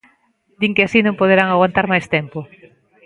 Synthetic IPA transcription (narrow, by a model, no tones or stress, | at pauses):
d̪iŋkɪasinõmpoð̞eɾaŋaɣwant̪aɾmajst̪ɛmpo